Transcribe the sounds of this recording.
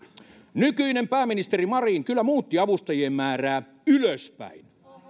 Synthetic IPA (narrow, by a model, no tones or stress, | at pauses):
nykyinempæːmːinist̪erimɑriːŋkylːæmuːt̪ːiɑʋust̪ɑjiemmæːræː | yløspæ̰in